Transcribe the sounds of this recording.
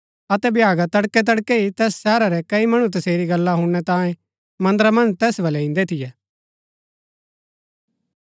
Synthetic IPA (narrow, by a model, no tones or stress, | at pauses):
ɐt̪ɛbjaːɡat̪ɐɽkɛt̪̬ɐɽkeit̪ɛːssɛːɾaɾɛkɐimɐɽ̃ut̪̬ɐseːɾiɡɐlːaɦʊɽ̃ːɛt̪ãːjẽ | mɐ̃nd̪ɾamɐ̃nd͡ʒt̪ɛːsbɐlɛɪ̃nd̪ɛt̪ʰɪjɛː